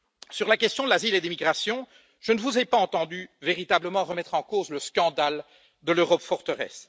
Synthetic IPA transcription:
syʁlakʲɛst̪jɔ̃d̪əlaziled̪emiɡʁasjɔ̃ | ʒ̥ənəvuzepaɑ̃t̪ɑ̃d̪yveʁit̪abləmɑ̃ʁəmɛt̪χɑ̃kozləskɑ̃d̪al | d̪əløʁɔpfɔʁt̪əʁɛ̰s

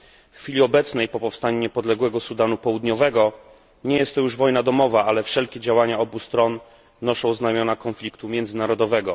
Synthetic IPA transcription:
fxfʲilʲiɔbɛt̪snɛjpɔpɔfst̪aɲuɲɛpɔd̪lɛɡwɛɡɔsud̪anupɔwud̪ɲɔvɛɡɔ | ɲɛjɛst̪ːɔjuʐvɔjnad̪ɔmɔvaalɛfʂɛlkʲɛd͡ʑawaɲaɔbust̪ɾɔnː | ɔʂɔ̃w̃znajmʲjɔnakɔnflʲikt̪umʲjɛnd̪zɘnaɾɔd̪ɔvɛɡɔ

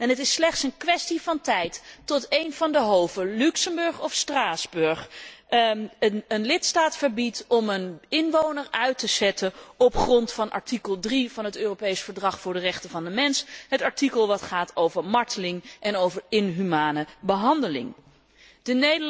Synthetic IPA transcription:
ɛnɦətɪslɛχtsənkʋɛstivɑntɛjtːɔtejnvɑndəɦowvəlyksəmbɵɹχɔfstraːzbɵɹχ | əənlɪtstaːtfəɹbitɔmənɪnʋownəɹœɥtəz̥ɛtəɔpχrɔntfɑnʔɑ̰ɹtikəlˠdrivɑnɦətøːropejsfəɹdrɑχfʊːɹdərɛχtəvɑndəmɛnsɦətɑɹtikəlˠʋɑtχaːtʰowvəɹmɑɹtəlɪŋʔɛnowvəɹɪnɦymaːnəbəɦɑndəlɪ̰ŋ | d̥ənejdə

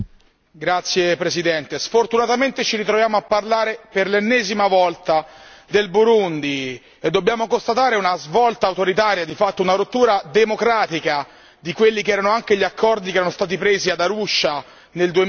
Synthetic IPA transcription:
ɡɾat̪sːjepɾesid̪ɛnt̪esfort̪unat̪ament̪et͡ʃiɾit̪ɾovjaːmoapːarlaːɾeperlenːɛːzimavɔlt̪ad̪elbuɾund̪i | ed̪ːobjaːmokost̪at̪aːɾeunazvɔlt̪aːwt̪oɾit̪aːɾjad̪ifat̪ːounaɾot̪ːuːɾad̪emokɾaːt̪ika | d̪ikwelːikeɛːɾanoaŋkeʎiakʰːɔrd̪ik̬eɛɾanost̪aːt̪̬ipɾeːziad̪aɾuʃːa | neld̪ue

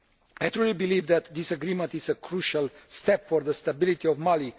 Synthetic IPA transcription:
aɪtɹulibilivd̪æt̪d̪isəɡɾimə̃nt̪izəkʰɹuʃalst̪ɛpfɔɾðəst̪abilit̪iɔvmali

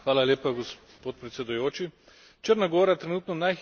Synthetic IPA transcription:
xʋaːlaleːpaɡɔs | poːt̪̚pɾɛt̪sʲɛd̪ujoːt͡ʃi | t͡ʃəɾnaɡoːɾat̪ɾɛnuːt̪nɔnajx

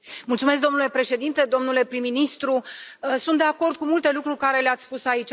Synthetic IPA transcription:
mult̪sumesk̚d̪o̞nule̞pɾe̞ʃe̞d̪int̪e̞d̪o̞mnule̞pɾimːinist̪ɾusunt̪d̪eako̞rd̪̚kumult̪e̞lukɾurʲkaɾe̞leat̪sʲspusait͡ʃʲ

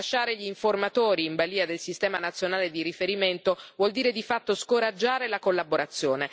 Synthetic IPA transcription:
aʃːaːɾeʎiːɱformat̪oːɾiːɱbaliːad̪elsist̪ɛːmanat̪sːjonaːled̪iɾifeɾiment̪ovwɔld̪iːɾed̪ifat̪ːoskoɾad͡ʒːaːɾelakolːaboɾat̪sːjoːne

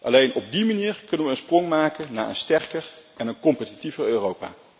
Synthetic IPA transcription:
ʔɑ̰lejnɔb̚dimaniːɹkɵnənʋəənsprɔŋmaːkənna̰ːʔə̰nstɛrkərʔɛnənkɔmpətitivərøːrowpa̰ː

